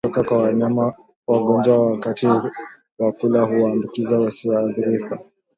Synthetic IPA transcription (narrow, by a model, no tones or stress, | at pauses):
ɔkakwawaɲama | waɡɔnd͡ʒwawakati | wakulahuwaːmbukizawasiwaːθiɾika